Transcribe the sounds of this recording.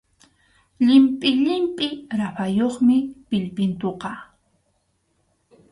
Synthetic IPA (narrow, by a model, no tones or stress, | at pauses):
ʎɪmpʼɪʎɪmpʼɪɾapajoχmɪpɪʎpɪnt̪oqɑ